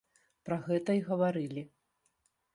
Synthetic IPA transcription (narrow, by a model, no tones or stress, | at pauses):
pɾɐɣɛt̪ɐiɣɐvaɾɨlʲi